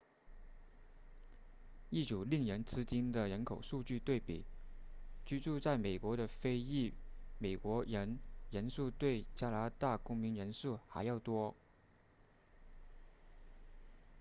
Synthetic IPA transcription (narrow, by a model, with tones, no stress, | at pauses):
i˥˩ʈ͡ʂu˨˩li˥˩ŋɻə˧˥nt͡sʰɹ̩˥t͡ɕi˥nd̪ə˨ɻə˧˥nkʰo˨˩ʊʂu˥˧t͡ɕy˥˧t̪we˥˩ɪpḭ˨˩˦ | t͡ɕy˥ʈ͡ʂu˥˧t͡sa˥˩ɪme˨˩ɪkwɔ˧˥ɾə˧fe˥ɪi˥˩me˨˩ɪkwɔ˧˥ɻə˧˥nɻə˧˥nsu˥˧t̪we˥˩ɪt͡ɕja˥la˧˥t̪a˥˩kʊ˥ŋmi˧˥nɻə˧˥nsu˥˩xa˧˥ɪjɑ˥˩ʊt̪wɔ˥